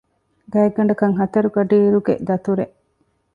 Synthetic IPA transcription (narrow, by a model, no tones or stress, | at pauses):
ɡɐːeɡːɐɳ̆ɖɐkɐŋɦɐt̪ɐɾuɡɐɖiːɾuɡḛd̪ɐt̪uɾeʔ